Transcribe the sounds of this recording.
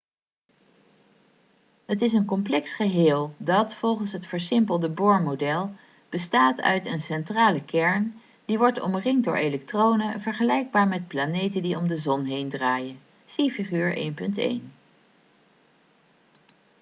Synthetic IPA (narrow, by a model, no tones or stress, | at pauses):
ɦətɪs̬ənkɔmplɛksχəɦɪːlˠdɑtfɔlˠχənsɦətfəɹsɪmpəlˠdəbʊːɹmodɛlˠ | b̥əstaːtʰœ̰ɥtənsɛntraːləkɛɹn | d̥iʋɔɹtɔ̰mrɪŋdʊːɹʔelɛk̚trownəvəɹχəlɛjɡ̚baːɹmɛt̚planejtəndiɔmdəzɔnɦejndraːjən | sifiχyːɹʔḛjnpɵntḛjn